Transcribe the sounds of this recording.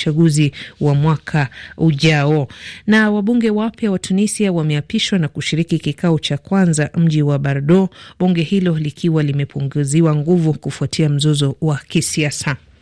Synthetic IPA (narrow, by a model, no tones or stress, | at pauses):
aɠuziwamwakʰauʄaɔnawaɓuŋɡɛwapjawatʰunisiawamɛapiʃwanakuʃiɾikikikaɔt͡ʃakwanzam̩ʄiwaɓaɾɗɔɓuŋɡɛhilɔlikʰiwalimɛpʰuŋɡuziwaŋɡuvukufuatʰiam̩zɔzɔwakisiasa